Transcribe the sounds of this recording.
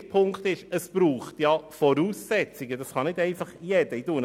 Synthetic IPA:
pʰʊŋktɪʃəsb̥ɾuːχtjɑfɔɾuːsːɛt͡sɪɡədɑsχɑnɪdeɪnfɑχjɛdəjduːn

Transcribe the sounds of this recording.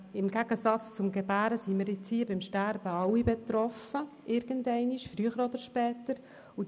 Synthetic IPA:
ɪmɡ̥æɡ̥əsɑt͡st͡sʊmɡɛbæːɾəsiməɾɪt͡shiːəbɪmʃtæɾb̥əɑwibɛt̪ɾɔfə | ʔɪɾɡ̥əndɛɪniʃfɾyəχəɾod̪əɾʃpɛːtəɾ | u

